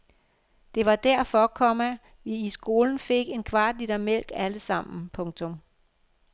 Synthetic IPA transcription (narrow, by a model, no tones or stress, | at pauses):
d̥e̝ʋɑ̈d̥æɐ̰fɒ̽kʰɒ̽mæ | ʋiisɡ̥o̝ːln̩fe̝ɡ̥e̝nkʰʋɑ̰̈ːd̥lid̥ɐmel̰ɡ̥æləsɑ̈m̰n̩pʰɔ̽ŋt͡sʰɔ̽m